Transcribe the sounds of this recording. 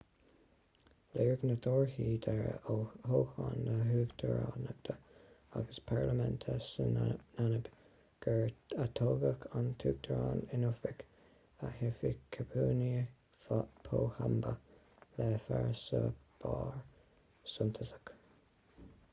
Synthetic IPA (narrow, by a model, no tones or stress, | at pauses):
leːɹɡnəd̪ʰoːɹhiːd̪əɹohoːxɑnləɦʉːɡd̪əɹɑːnəɡ̚d̪̥əaɡəspʰaɹləmɛnt̪ʰəsənanəb | ɡ̥əɹat̪ʰoːɡəkʰant̪ʰuːɡ̚d̪əɹɑːnɪnʊfɪk | əhɪfikʰəpʰuːni | pʰoːhambə | lɛːfaɹsəb̥ɑːɹ | sʊnt̪ʰəsə̥k